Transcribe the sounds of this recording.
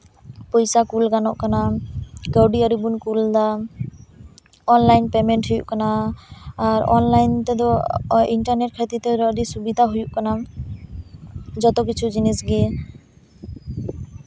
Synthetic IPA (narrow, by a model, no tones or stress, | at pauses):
pɔjsakulɡanɔʔkanaɡəwɖiəɾibunkuld̪a | ɔnlajnpɛmɛɳʈhujṵʔkanaː | ɾɔ̰nlajnt̪ɛd̪ɔiɳʈaɾneʈ̚kʰat̪it̪ɛɾɔɖ̪isubid̪ʱaɦujuʔkana | d͡ʒɔt̪ɔk̬it͡ʃʰud͡ʒinisɡɛ